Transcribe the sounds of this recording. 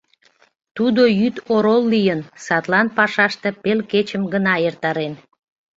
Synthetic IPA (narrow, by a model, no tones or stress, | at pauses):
t̪ud̪ojyt̪oɾolːijənsɑt̪lɑnpɑʃɑʃt̪epelket͡ɕəmɡənɑert̪ɑɾen